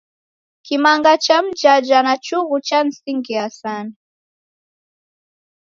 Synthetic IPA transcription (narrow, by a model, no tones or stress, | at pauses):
kimaŋɡat͡ʃam̩d͡ʒad͡ʒanat͡ʃuɣut͡ʃan̩siŋɡiasana